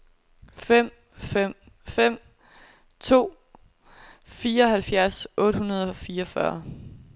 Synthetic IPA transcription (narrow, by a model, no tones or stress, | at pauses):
fem̰ | fem̰ | fem̰ | t͡sʰo̝̰ː | fiːɐɒ̽ɦælfjæɐsʔɔ̽ːd̥hunɐð̞ˠɒfiːɐɒ̽fɶ̰ɐ